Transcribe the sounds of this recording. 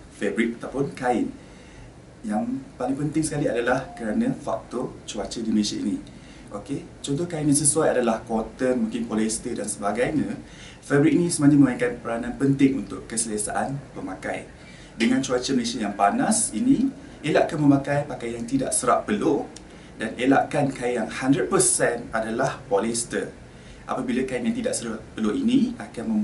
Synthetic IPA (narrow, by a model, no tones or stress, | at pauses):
febɾit̪̚at̪awpʊnkaɪn | jaŋpalɪŋpənt̪ɪŋsə̥kaliadalahkəɾanə̃fa̰k̚t̪ot͡ʃuat͡ʃədiməlesaini | ʔoke | t͡ʃɔnt̪ɔhkainjaŋs̬əsuwajadalahkɔt̪əmũŋkɪnpolɛst̪ədansəbaɡajɲã | fɛbɾit̚inĩsəmaɲəməmaĩkanpəɾanãnpənt̪ɪŋunt̪ʊʔkːəsəlasa̰ʔanpəmaka̰j | dəŋãnt͡ʃuat͡ʃəməlesiajaŋpanasinĩ | elaʔkanməmãkajpakajaŋt̪ida̰ʔsəɾa̰ʔpəlo | danela̰ʔkankajjaŋhandɾət̚pəsɛnadalahpolest̪ə̰ | ʔa̰pabilakajnjaŋt̪idaʔsəɾaʔpəloʔiniakanmə̃m